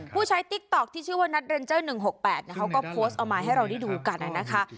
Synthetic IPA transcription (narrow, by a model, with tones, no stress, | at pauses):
pʰuː˥˩t͡ɕʰa˦˥jt̪i˦˥k̚t̪ɔ˨˩k̚t̪ʰiː˥˩t͡ɕʰɯː˥˩waː˥˩na˦˥t̪̚ɾe˧nt͡ɕɤː˥˩nɯ˨˩ŋɦo˨˩k̚pɛː˨˩t̪̚ni˥˩kʰa˦˥wkɔː˥˩pʰoː˦˥st̪ʔɔː˨˩wmaː˧ɦa˥˩jɾa˧wda˥˩jduː˧ka˧nʔa˨˩na˦˥kʰa˦˥